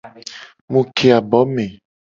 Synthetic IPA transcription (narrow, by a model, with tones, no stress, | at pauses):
mũ˨kʰe˨a˨bɔ˨˦mẽ˨